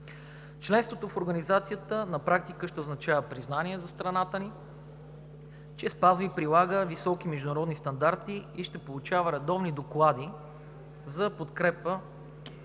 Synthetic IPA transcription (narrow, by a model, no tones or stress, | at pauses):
t͡ʃlɛnst̪vot̪ofoɾɡɐnizat̪sijət̪ənɐpɾak̚t̪ikəʃt̪ɛoznɐt͡ʃavəpɾiznaniɛzɐst̪ɾɐnat̪əni | t͡ʃɛspazvəipɾilˠaɡəvisɔkimɛʒd̪ʊnɐɾɔd̪nist̪ɐnd̪aɾt̪iiʃt̪ɛpolˠʊt͡ʃavəɾɛd̪ɔvnid̪oklˠad̪i | zɐpot̪kɾɛpə